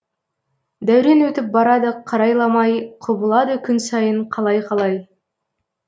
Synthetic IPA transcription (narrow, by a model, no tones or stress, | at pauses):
d̪æwɾe̞nwɵt̪ɪp̚bɑɾɑd̪əqʰɑɾɑjlˠɑmɑjqʰʊbəlˠɑd̪əkʲʰʏnsɑjəɴqʰɑlˠɑjqʰɑlˠɑj